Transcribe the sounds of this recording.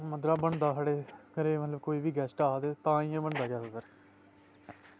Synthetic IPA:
məd̪ɾaːbəɳd̪aːɦaɽeːkəɾeːmət̪ləbkoːiːʋiːɡɛːsʈaːd̪eːt̪ãːĩãːbəɳd̪aːd͡ʒaːsasəɾ

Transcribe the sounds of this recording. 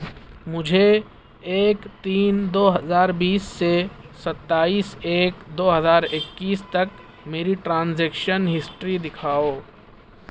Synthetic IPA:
mʊd͡ʒʱe | eːkt̪iːnd̪oːɦɐzaːɾbiːsːesɐt̪ːaːiːseːkd̪oːɦəzaːɾɪkːiːst̪ɐk | meːɾiʈɾãːnzeːkʃənɦɪsʈɾid̪ɪkʰaːoː

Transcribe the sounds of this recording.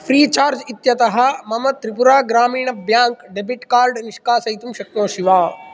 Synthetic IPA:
pʰɾiːt͡ʃaːɾd͡ʒit̪jɐt̪ɐɦɐmɐmɐt̪ɾipuɾaːɡɾaːmiːɳɐbjãːŋkɖebiʈkaːɾɖniʃkaːsɐit̪umʃɐk̚mõːʃiʋaː

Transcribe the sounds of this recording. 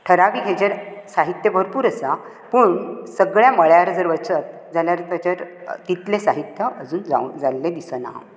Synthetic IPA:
ʈʰəɾaʋiːɡʱed͡ʑəɾsaɦit̪jəbʱəɾpuːɾəsa | pəɳsəɡɭjaməɭjaɾd͡zəɾʋət͡sət̪̚ | d͡zaljaɾt̪ət͡ɕəɾt̪it̪lesaɦit̪jəʔəd͡zuːnd͡za̰d͡zalːed̪isəna̰

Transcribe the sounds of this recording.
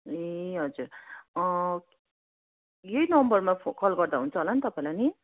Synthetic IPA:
eɦʌd͡zuɾ | jʌinʌmbʌrmapʰokʰʌlɡʌrd̪aɦunt͡sʰʌɦolant̪ʌpaĩlajni

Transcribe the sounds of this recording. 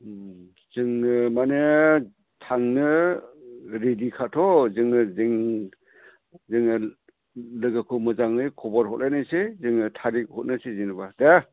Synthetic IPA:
z̥ɯŋɯmane | tʰaŋnɯ | ɾedikʰatʰɔzɯŋɯzɯŋ | zɯŋɯ | lɯɡakʰɯmɯzaŋnɯjkʰɔbɔɾɦɔ̰t̚lajnajsezɯŋɯtʰaɾik̚hɔt̚nɯsezinbadea

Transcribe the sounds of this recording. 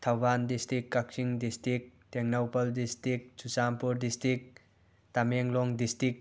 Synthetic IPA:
t̪ʰawbandistɾikːak̚siŋdistɾik̚teŋnawpɐldistɾik̚susampuɾdistɾik̚ | tameŋlɔŋdistik̚

